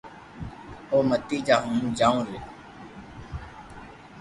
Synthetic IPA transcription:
oːmət̪iːd͡ʒaːɦũːmd͡ʒaːũːɾeː

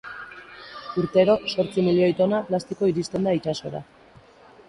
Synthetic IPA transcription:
uɾt̪e̞ɾo̞so̞ɾt͡similio̞jt̪o̞naplast̪iko̞iɾist̪e̞nd̪ait͡ʃaso̞̰ɾa̰

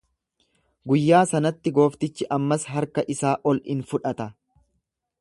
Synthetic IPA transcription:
ɡʊjːaːsɐnɐt̪ːɪɡo̞ːft̪ɪt͡ʃːɪʔɐmːɐsɦɐɾkɐʔɪsaːʔɔlɪnfʊᶑɐt̪ɐ

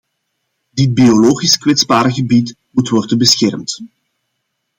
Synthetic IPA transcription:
dɪd̚bioloːɣiskwɛtzbaːɾəɣəbit | mutwɔrdənbəsxɛrmt

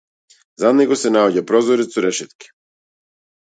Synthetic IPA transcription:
zad̪nɛɡɔsɛnaɔɟapɾɔzɔɾɛt̪sɔɾɛʃɛt̪ki̥

